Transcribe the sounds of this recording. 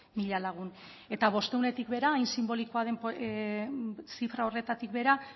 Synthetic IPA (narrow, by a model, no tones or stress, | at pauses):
miʎalaɣ̞un | e̞t̪aβ̞o̞st̪e̞unet̪ikβe̞ɾaːjnsimbo̞liko̞aðe̞mp | sifɾao̞re̞t̪at̪ik̚βe̞ɾa